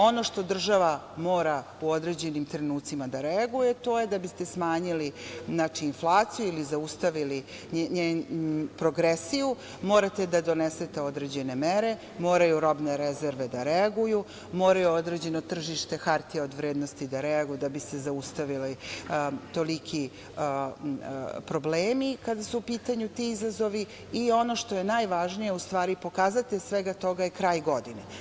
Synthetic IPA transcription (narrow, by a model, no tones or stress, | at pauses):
o̞no̞ʂt̪o̞d̪r̩ʒaʋamoːɾa | uo̞d̪ɾe̞d͡ʑe̞nimt̪ɾe̞nuːt̪simad̪aɾeaɡuje̞t̪o̞ːjed̪abist̪e̞smaːɲiliznat͡ʃiːnflˠaːt̪sijuilizaust̪aʋili | ɲenpɾo̞ɡɾesiju | mo̞ːɾat̪e̞d̪ad̪o̞neset̪eo̞d̪ɾe̞d͡ʑe̞ne̞meɾe̞ | mo̞ːɾajuɾo̞bneɾezeɾʋe̞d̪aɾeaɡuju | mo̞ːɾajuod̪ɾed͡ʑe̞no̞t̪r̩ʒiʃt̪e̞xaɾt̪ieo̞d̪ʋɾeːd̪nost̪id̪aɾɛaɡujd̪abisezaust̪aʋili | t̪o̞likʰi | pɾo̞bleːmikad̪asuupiːt̪aɲut̪iizazo̞ʋi | io̞no̞ʃt̪o̞jenajʋaʒnijeust̪ʋaːɾipo̞kaːzat̪esʋeɡat̪o̞ɡajekɾaːjɡo̞d̪ine